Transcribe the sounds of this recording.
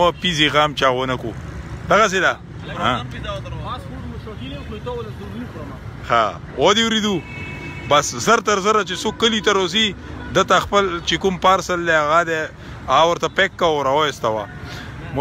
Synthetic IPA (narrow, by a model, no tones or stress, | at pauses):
apiziɣamt͡ʃaɣwənakud̪aɣas̬ed̪a | ãd̪ | t̪wluika | xa̰ | od̪ewɾid̪u | baszəɾt̪aɾzəɾat͡ʃesokːəlit̪aɾozid̪ət̪axpəlt͡ʃekumpaɾsəld̪eaɣad̪e | aɣawəɾt̪apekːaoɾaojst̪awa̰m